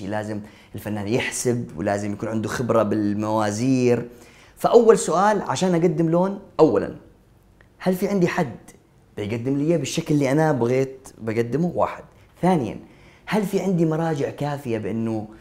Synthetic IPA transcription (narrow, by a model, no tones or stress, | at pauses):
ilaːzɪm | ʔɪlfanːaːnjɪħsɪbwɪ̰laːzɪmjakuːnʕɪnd̪uxɪbɾˤabɪlmawaːziːɾ | faʔawːalsʊʔaːlʕa̰ʃaːnʔaɡad̪ːɪmloːnʔawːala̰n | halfiʕɪnd̪iħad̪ː | b̥ɪjɡad̪ːɪmlɪjːabɪʃːaklɪːiʔanabaɣeːt̪baɡad̪ːɪmuwa̰ːħɪd̪̥ | θaːnɪja̰nhalfiʕɪnd̪imɑɾˤɑːd͡ʒɪʕkaːfɪjabɪʔɪnːʊ